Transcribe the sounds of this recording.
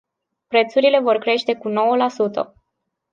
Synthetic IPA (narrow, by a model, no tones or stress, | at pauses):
pɾe̞t̪suɾile̞vo̞rkɾe̞ʃt̪e̞kuno̞wəlasut̪ə̰